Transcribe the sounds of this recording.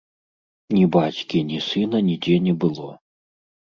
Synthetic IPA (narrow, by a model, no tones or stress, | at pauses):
nʲibat͡sʲkʲinʲisɨnɐnʲid͡zʲɛnʲɛbɨlˠɔ